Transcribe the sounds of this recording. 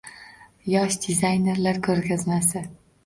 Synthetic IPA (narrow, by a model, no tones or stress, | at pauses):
jɒʃd̪ʲɪzajne̞ɾlaɾkʰɵɾɡʲazmasɪ